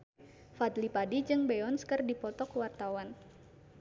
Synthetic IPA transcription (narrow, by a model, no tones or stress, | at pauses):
fat̪lipadid͡ʒɨŋbɛɔnskərdipɔt̪ɔkwart̪awan